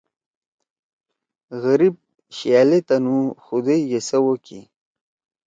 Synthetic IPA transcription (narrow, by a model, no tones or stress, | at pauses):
ɣəɾib̚ | ɕjalet̪anũxud̪ejjesəwokḭ